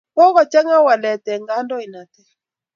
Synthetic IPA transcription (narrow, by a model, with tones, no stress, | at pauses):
kɔ˦ɣɔ˨t͡ʃɛ˦ŋa˦wa˨lɛ˨tɛ˨ŋɡa˦ndɔ˦i˨na˨tɛ˦